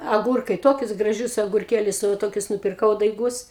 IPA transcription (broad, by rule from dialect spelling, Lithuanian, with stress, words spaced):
ɐˈɡuːrkɐɪ ˈtoːkʲʊs ɡrɐˈʒʲʊs ɐɡʊrʲˈkʲeːlʲʊs nʊ ʋɐ ˈtoːkʲʊs nʊpʲɪrˈkɐʊ dɐɪˈɡʊs